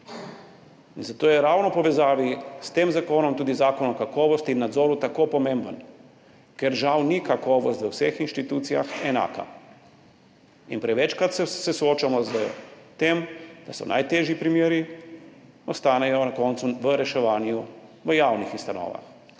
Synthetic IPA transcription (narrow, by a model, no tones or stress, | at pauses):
inzat̪oːjɛɾaːwnɔpɔʋɛzaːʋist̪eːmzakoːnɔmt̪uːd̪izaːkɔnɔkakɔːʋɔst̪iːnːad̪zɔːɾut̪akoːpɔmẽmbən | kɛɾʒawnikakɔːʋɔst̪ʋəwsexinʃt̪it̪uːt̪sijaxɛna̰ːka̰ | inpɾɛʋɛt͡ʃkɾat̪sɛsɛsɔoːt͡ʃamɔzət̪eːmd̪asɔ̰nʔa̰jt̪eːʒjipɾimjeːɾi | ɔst̪aːnɛjɔnakɔːnt̪suʋəɾɛʃɛʋaːnjuʋəjaːwnixust̪anɔ̰ːʋa̰x